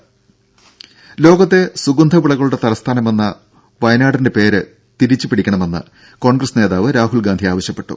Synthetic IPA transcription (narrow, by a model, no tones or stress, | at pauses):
lo̞ːɡɐt̪ːe̞suɡund̪ʱɐpuɭɐɣɐɭuɽe̞t̪ɐlɐst̪ʰaːnɐme̞nːɐ | ʋɐjɐnaːɽinde̞pe̞ːɾɨ | t̪iɾit͡ɕːupiɽikʲːɐɳɐme̞nːɨ̰ | ko̞ːɳɡrɐsne̞ːðaːʋɨɾaːɦulɡaːnd̪ʱijaːʋɐɕjɐpːe̞ʈːṵ